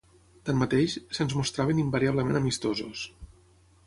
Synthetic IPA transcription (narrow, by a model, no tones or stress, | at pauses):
t̪anmat̪eʃsənzmust̪ɾaβenimbaɾiaβləmenəmist̪ozṵs